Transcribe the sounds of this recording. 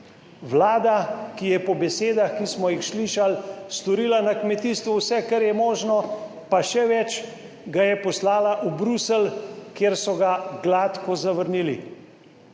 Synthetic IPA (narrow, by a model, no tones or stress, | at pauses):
wlaːd̪akijɛpɔbɛseːd̪axkismɔjixsliːʃalst̪ɔɾiːlanakmɛt̪iːst̪ʋuwsɛkaɾjɛmɔːʒnɔ | paʃɛʋɛt͡ʃ | ɡajɛpɔslaːlaʔubɾusɛlkeːɾsɔɡaɡlat̪kɔzaʋəɾniːlḭ